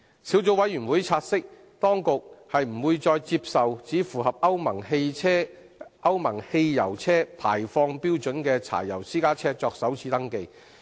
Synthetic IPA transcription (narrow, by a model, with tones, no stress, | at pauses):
si˨˥wt͡so˨˥wɐ˨˥jyː˨˩nwuː˨˥jt͡sʰaː˧t̚sɪ˥k̚ | t̪ɔː˥ŋkʊ˨k̚hɐ˨jm̩˨˩wuː˧jt͡ʃɔː˧jt͡si˧p̚sɐ˨wt͡siː˨˥fuː˨˩hɐ˨p̚ɐ˥wmɐ˨˩ŋe˧jʰɛː˥ | ʔɐ˥wmɐ˨˩ŋhe˧jjɐ̰˨˩wt͡sʰɛː˥pʰaː˨˩jfɔː˧ŋpiː˥wt͡ʃɵ˨˥nkɛː˧t͡sʰa̰ː˨˩jːɐ˨˩wsiː˥kaː˥t͡sʰɛː˥t͡sɔː˧k̚sɐ˨˥wt͡sʰiː˨˥t̪ɐ˥ŋke˧j